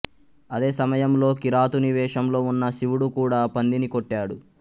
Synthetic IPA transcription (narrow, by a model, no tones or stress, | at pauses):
ɐd̪e̞ːsɐmɐjɐmlo̞ːkiɾaːt̪uniʋɛːʂɐmlo̞ːunːɐsiʋuɽukuːɽaːpɐnd̪inikoʈːaːɽu